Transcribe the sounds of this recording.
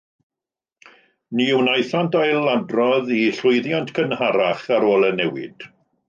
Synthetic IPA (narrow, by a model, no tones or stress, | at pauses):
niːwnajθantʰajlːadrɔðiɬʊjðjantʰkʰənhaɾaχaɾoːlˠənɛwɪ̰d̥